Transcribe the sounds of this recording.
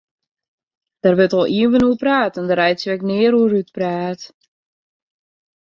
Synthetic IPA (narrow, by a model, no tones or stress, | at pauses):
d̥ərʋətɔlˠʔiənvənuəpraːtɛndəɾɛjtsʋɛknɪəɾuəɾyt̚praːt